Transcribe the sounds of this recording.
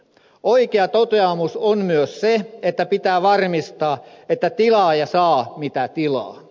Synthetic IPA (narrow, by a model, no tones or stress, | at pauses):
oikeɑt̪ot̪eɑmusonmyøsseet̪ːæpit̪æːʋɑrmist̪ɑːet̪ːæt̪ilɑːjɑsɑːmit̪æt̪ilɑ̰ː